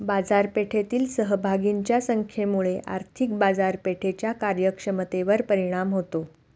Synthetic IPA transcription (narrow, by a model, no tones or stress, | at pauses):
bad͡zaɾpeʈʰet̪iːlsəɦəbʱaɡiɲt͡ɕjasəŋkʰjemuɭeʔa̰ɾt̪ʰik̚bad͡zaɾpeʈʰet͡ɕjakaɾjəkʂəmət̪eʋəɾpəɾiɽ̃amɦot̪o